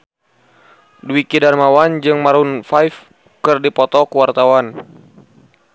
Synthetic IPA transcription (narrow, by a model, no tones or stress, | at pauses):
duikidarmawand͡ʒɨŋmaɾunfajf | kɨrdipɔt̪ɔkuwart̪awan